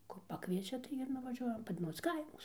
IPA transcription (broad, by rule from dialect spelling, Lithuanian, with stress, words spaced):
kʊr pɐˈkʋʲiɛt͡ʃʲɛ tɐɪ ɪr nʊʋɐˈʒʲuɔjɛm ˈpɐt ˈmuːs ˈkɐɪmʊs